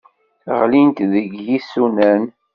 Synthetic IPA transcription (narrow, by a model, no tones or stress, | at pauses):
θʁlint̪ðəɡjisːunæn